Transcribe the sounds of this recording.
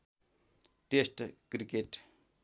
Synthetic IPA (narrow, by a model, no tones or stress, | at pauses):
ʈesʈkɾikeʈ